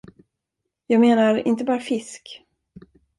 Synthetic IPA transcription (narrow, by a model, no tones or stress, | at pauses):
jɑːɡmeːnaɾɪ̰nt̪əbɑːɾafɪsk